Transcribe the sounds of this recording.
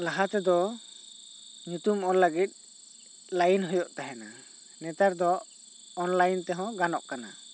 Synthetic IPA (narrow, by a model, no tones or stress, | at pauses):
laɦat̪ɛd̪ɔ | ɲut̪umɔɾləɡit̪̚ˀ | lajnɦɔjɔʔt̪aɦɛna | nɛt̪aɾd̪ɔː | nlajnt̪ɛɦɔ̃ɡanɔʔkana̰